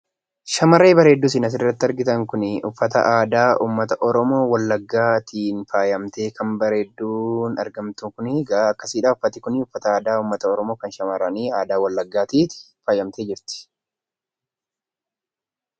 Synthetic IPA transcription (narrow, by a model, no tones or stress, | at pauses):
ʃɐmɐɾe̞ːbɐɾe̞ːd̪ːuːs̬ɪnɐs̬ɪrːɐt̪ːɪɐɾɡɪt̪ɐŋkʊnɪʊfːɐt̪ɐ̰ʔaːd̪aːʔṵːmːɐt̪ɐʔɔɾɔmo̞ːwɐlːɐɡːaːt̪ʰiːnfaːjɐmt̪e̞ːkʰɐmbɐɾe̞ːd̪ːuːnɐ̰ɾɡɐmt̪ʊkʊnɪɡɐɐkːɐsiːᶑaːʊfːɐt̪ːɪkʊnɪʊfːɐt̪ɐaːd̪aːuːmːɐt̪ɐɔɾɔmo̞ːkɐnʃɐmɐɾɐniːaːd̪aːwɐlːɐɡːaːt̪iːt̪ɪ̥ | faːjɐmt̪e̞ːd͡ʒɪɾt̪ɪ̥